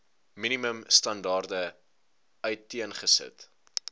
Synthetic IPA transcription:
miniməmstɐndɑːrdə | œɥtːiənχəsə̰t

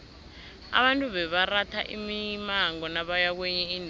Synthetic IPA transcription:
a̰βantʼuβɛβaratʰaʔimimaŋɔnaɓajak̬wɛɲɛin

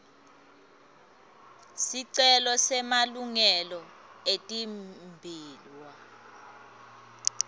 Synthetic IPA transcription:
siǀɛlɔsɛmaluŋɛlɔ | etʼimbʱiːlwa

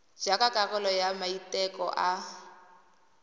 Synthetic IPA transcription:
d͡ʒakakʼaɣɛlɔjamaitʼɛkɔ̰ʔa

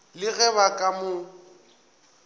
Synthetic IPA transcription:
lɪɣɛβakʼamʊ

